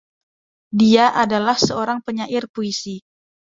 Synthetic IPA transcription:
diaʔadalahsəoɾaŋpəɲaʔɪrpoisi

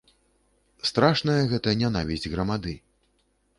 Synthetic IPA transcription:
st̪ɾaʂnɐjɐɣɛt̪ɐnʲan̪avʲizʲdʲɣɾɐmad̪ɨ

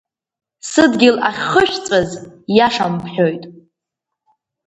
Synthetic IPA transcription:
sɨdɡʲɪlaχʲχəʃᶣt͡sʼazjaʂampʰħᶣo̞jtʼ

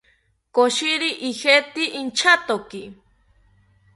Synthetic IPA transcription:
koʃiɾiʔihet̪iʔint͡ʃʰat̪oki

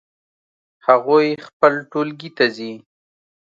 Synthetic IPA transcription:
haɣojxpəlʈolɡit̪azi

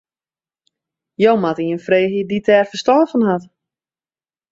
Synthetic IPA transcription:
jowmatiənfreːɦiditɛːrfəstɔrvənhat

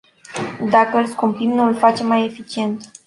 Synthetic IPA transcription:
d̪akəɨlskumpimnuɨlfat͡ʃe̞mːaje̞fit͡ʃie̞nt̪

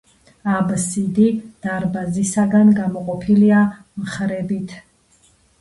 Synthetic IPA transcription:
absid̪id̪̥aɾbazisaɡanɡamɔqʼɔpʰilia | mχɾɛbit̪ʰ

